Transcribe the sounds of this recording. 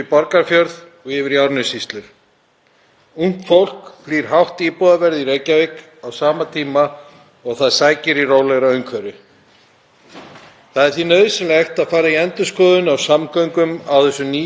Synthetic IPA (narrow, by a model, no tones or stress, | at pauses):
ɪpɔɾkaɾfjœɾð | ɔɣɪvɪɾjawɾnʏsist̪lʏɾ̥ | uŋ̥t̪fowl̥kfliːɾ̥ɦawht̪iːpɔːðavɛɾðiɾejcavejk | awsaːmat̪ʰiːma | ɔɣθaðsaːjcɪɾiroːwlɛɣɾaœɥŋkʰvɛɾɪ | θaðɛɾ̥θinœɥðsɪmlext̪aðfaːɾaiɛnt̪ʏskɔːðʏnawsamkœɥŋkʏmawθɛsːʏniː